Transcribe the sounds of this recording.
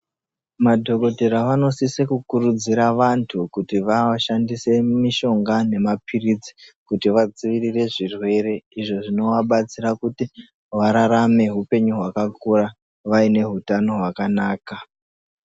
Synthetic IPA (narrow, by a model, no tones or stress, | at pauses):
madʱo̞ko̞teɾaʋano̞sisekukuɾud͡ziɾaʋantʰukutiʋaʃandise̞miʃo̞ŋɡane̞mapʰirid͡zi̥kutiʋad͡ziʋirire̞ʐirwe̞ɾe̞iʐo̞ʐino̞ʋaɓat͡siɾakuti | ʋaɾaɾame̞ɦupe̞ɲuɦwakakura | ʋaine̞ɦutano̞ɦwakanaːka